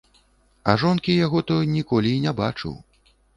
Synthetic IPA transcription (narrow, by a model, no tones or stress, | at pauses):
ɐʐɔnkʲijaɣɔt̪ɔjnʲikɔlʲiːnʲabat͡ʂɨ̰w